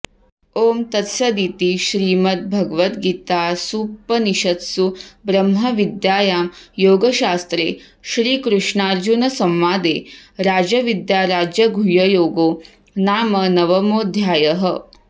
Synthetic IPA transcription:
oːmt̪ɐt̪sɐd̪it̪iʃɾiːmɐt̪̚bʱɐɡəʋɐt̪ɡiːt̪aːsuːpːɐniʃɐt̪subɾɐmɦɐʋid̪jaːjaːmjoːɡɐʃaːst̪ɾḛː | ʃɾiːkɾuʂɳaːɾd͡ʒunɐsɐmʋaːd̪eːɾaːd͡ʒɐʋid̪jaːɾaːd͡ʒjɐɡʱujɐjoːɡoː | naːmɐnɐʋɐmoːd̪ʱjaːjɐɦɐ

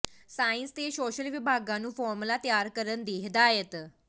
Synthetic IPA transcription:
sainst̪esoɕəlʋibʱaɡãnːuːfɔɾmlat̪jaɾkəɾənd̪eɦd̪aɦet̪

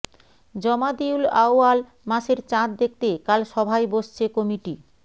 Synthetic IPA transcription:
d͡ʑɔmad̪iulaoal | maʃeɾt͡ɕãt̪̚d̪ek̚t̪ekalʃɔbʱajboʃt͡ɕʰekomiʈi

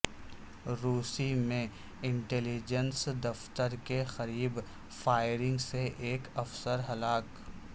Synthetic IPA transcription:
ɾuːsimẽ | ɪ̃ɳʈɛːlid͡ʒənsd̪ɐft̪əɾkexɐɾiːb | faːɪɾɪ̃ŋɡseʔeːkɐfsəɾɦɐlaːk

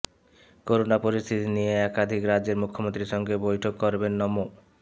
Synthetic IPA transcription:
koɾonapoɾist̪ʰit̪inijeɛkad̪ʱikɾad͡ʑeɾmukʰːomont̪ɾiʃɔŋɡebojʈʰokːoɾbenːɔmo

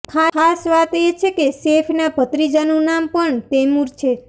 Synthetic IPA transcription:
kʰaasʋat̪et͡ʃʰekesefʰnabʱət̪ɾid͡ʒanũnampəɳt̪emuɾt͡ʃʰe

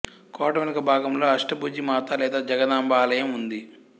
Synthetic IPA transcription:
kɔːʈɐmɐnɐkɐbʱaːɡɐmlo̞ːɐʂʈɐbuːd͡ʒimaːt̪ɐlɛːd̪aːd͡ʒɐɡɐd̪aːmbaːlɐjɐmund̪i

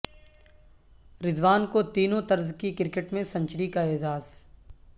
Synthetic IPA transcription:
ɾɪzʋaːnkot̪iːnõt̪ɐɾzkikɪɾkeʈmẽsɐ̃ɲt͡ʃɾikaeːd͡ʒaːz

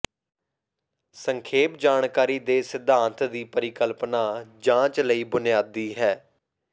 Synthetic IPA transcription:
səŋkʰeːpd͡ʒaːɳkaːɾiːd̪eːsɪd̪ʱãːnt̪d̪iːpəɾɪkəlpnaːd͡ʒãːt͡ʃləiːbʊnɪjaːd̪iːɦɛː

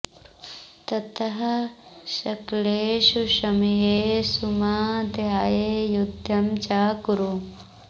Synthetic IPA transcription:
t̪ɐt̪ɐɦɐʃɐkleːʃuʃɐmijeːsumaːd̪ʱjaːjejud̪ʱjɐmt͡ʃaːkuɾu

